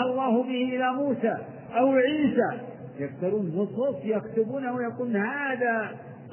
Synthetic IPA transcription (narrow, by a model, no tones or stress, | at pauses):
ɑlˤːɑːhʊbɪhɪʔɪlamuːsaː | ʔawʕiːsa | jaft̪ɑɾˤuːnmʊsˤʊfjakt̪ʊbuːnawjakuːlnhaːða